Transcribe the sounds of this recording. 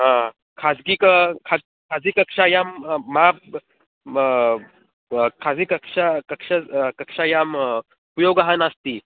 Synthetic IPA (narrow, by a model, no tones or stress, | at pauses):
ɦã | kʰad͡zɡikəkʰad͡z | kʰad͡ziːkəkʂajamːa | kʰad͡ziːkəkʂakəkʂakəkʂajam | upjoɡəɦanast̪i